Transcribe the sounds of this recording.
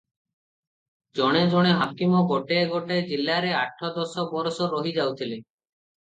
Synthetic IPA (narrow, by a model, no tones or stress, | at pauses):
d͡ʒɔɽ̃ed͡ʒɔɽ̃eɦakimɔɡoʈeɡoʈed͡ʒilːaɾeaʈʰːɔd̪ɔsɔbɔɾɔsɔɾɔɦid͡ʒawt̪ʰile